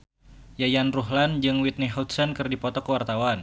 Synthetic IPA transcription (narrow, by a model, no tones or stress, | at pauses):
jajanruɦland͡ʒɨŋwit̪̚nɛɦut̪̚sankɨrdipɔt̪ɔkəwart̪awan